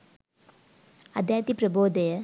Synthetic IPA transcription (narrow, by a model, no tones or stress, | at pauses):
ɐd̪ʱjaːt̪ipɾɐboːd̪ɐjɐ